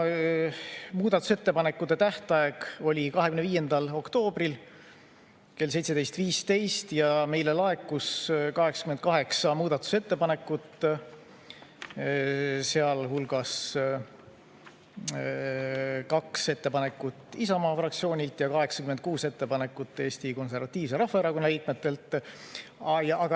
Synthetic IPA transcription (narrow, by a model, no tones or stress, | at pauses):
muːd̪̥ɑt̪ːˑu̥se̞t̪ːe̞pɑne̞kːˑud̪e̞t̪æht̪ɑjeɡ̥o̞lʲikɑɦekymnviːe̞nd̪̥ɑlo̞kt̪o̞ːb̥ril | ke̞lse̞jt̪se̞d̪e̞jst̪viːst̪e̞jst̪jɑme̞jlelɑe̞kːuskɑɦe̞ksɑ̥kyme̞nkɑɦe̞ksɑmuːd̪̥ɑt̪ːˑu̥se̞t̪ːe̞pɑne̞kːˑut̪ˑ | seɑlhulɡ̥ɑs | kɑkse̞t̪ːe̞pɑne̞kːˑut̪ːˑisɑmɑːfrɑk̚t̪sio̞ːnʲilt̪ˑjɑkɑɦe̞ksɑ̥kymen̚kuːse̞t̪ːe̞pɑne̞kːˑut̪ːˑe̞ːst̪iko̞ns̬e̞rvɑt̪ʲːˑiːvse̞ɾɑhvɑeɾɑkoːɑliːk̪̚ˑmet̪ːˑe̞lt̪ːˑ | jɑʔɑɡɑ